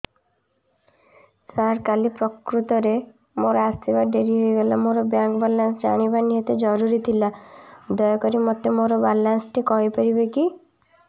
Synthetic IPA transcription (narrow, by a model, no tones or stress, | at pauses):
saɾkalipɾɔkɾut̪ɔɾe | moɾɔast̪ʰibaɖeɾiɦojɡɔlamoɾɔbjaŋkɔbalansd͡ʒa̰ɽ̃ibaniɦɔt̪ed͡ʒɔɾuɾit̪ʰilad̪ɔjɔkɔɾimɔt̪emoɾɔbalansʈʰikɔɦipaɾibeki